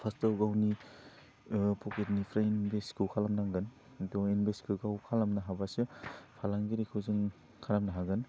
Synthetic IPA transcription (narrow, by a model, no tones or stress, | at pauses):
pʰastaɡawni | pʰɔketnipʰɾainbeskʰuwkʰalamnaŋɡɯn | dɔinbeskʰɯɡawkʰalamnaɦabasɯpʰalaŋɡiɾikʰɯzɯŋ | kʰaɾamnaɦaɡɯn